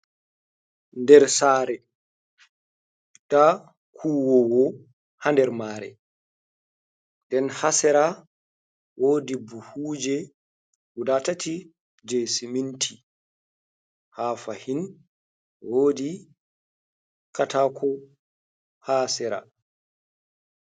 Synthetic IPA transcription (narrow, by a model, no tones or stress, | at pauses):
ndɛɾsaːɾɛ | d̥a | kʰuːwɔwɔ | handɛɾmaːɾɛ̰ | ndɛnhasɛɾa | wʔoːdibuhud͡ʒɛ | wudatatʰi | d͡ʒesimintʰi | haːfahin | woːdi | katakʰɔ | haːsɛɾa̰